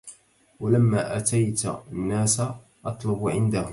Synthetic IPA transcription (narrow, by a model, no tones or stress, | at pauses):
walamːaːʔat̪ajt̪nːaːsa | ʔɑt̪ˤlʊbʕɪnd̪ahʊm